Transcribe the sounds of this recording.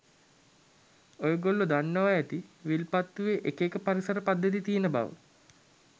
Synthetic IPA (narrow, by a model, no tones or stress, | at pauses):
ojəɡolːod̪anːəʋaæt̪iʋilpat̪ːuʋeʔekekəpaɾisəɾəpad̪ːət̪̬it̪ijenəba̰ʋə̰